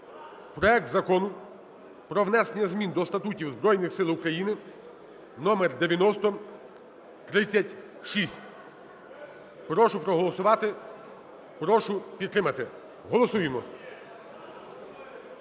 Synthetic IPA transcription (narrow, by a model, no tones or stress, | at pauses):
pɾɔɛk̚t̪zɐkɔnʊ | pɾɔʋnɛsenʲɐzmʲind̪ɔst̪ɐt̪utʲiwzbɾɔjnɪxsɪlˠʊkɾɐjinɪ | nɔmerd̪eʋʲjɐnɔst̪ɔ | t̪ɾɪt͡sʲːɐtʲ | ʃisʲtʲ | pɾɔʃʊpɾɔɦɔlˠɔsʊʋɑt̪ɪ | pɾɔʃʊpʲid̪t̪ːɾɪmɐt̪ɪ | ɦɔlˠɔsujemɔ